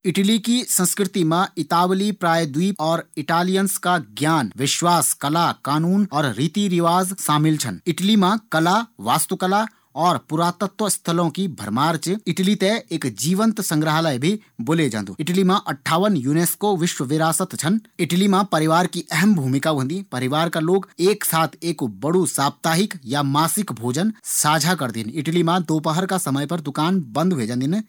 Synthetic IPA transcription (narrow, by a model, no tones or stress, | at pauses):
ɪʈlikisə̃nskɾɪt̪imãɪt̪aːʋlipɾaːjd̪uwiːɔːɾɪʈaːlijənskaɡjaːnʋɪʃwaːskɐlakaːnuːnɔːɾɾiːt̪iɾɪʋaːzʃaːmɪlt͡ʃʰənɪʈlimãkɐlaʋaːst̪ukəla | ɔːɾpʊɾaːt̪ət̪ʋəst̪ʰəlõkibʱɐ̰ɾmaːɾt͡ʃɪʈlit̪eeːkd͡ʒiːʋə̃nt̪sə̃ŋɡɾəɦaləjbʱiboːled͡ʒã̰ːnd̪ṵɪʈlimãʔɐʈʰːaːʋənjuːneːskoʋɪʃwəʋɪɾaːsət̪t͡ʃʰənɪʈlimãpɐɾɪʋaːɾkiʔɛɦɛmbʱuːmɪkaːuɦə̃nd̪ipɐɾɪʋaːɾkaloːɡeːksaːt̪ʰeːkbɐɽusaːp̚t̪aːɦɪkjamaːsɪkbʱoːd͡ʒənsaːd͡ʒʱakɐɾd̪inɪʈlimãd̪oːp̬əɦəɾkasɐməjpɐɾd̪ʊkaːnbɐ̃nd̪ʱɦued͡ʒãːnd̪in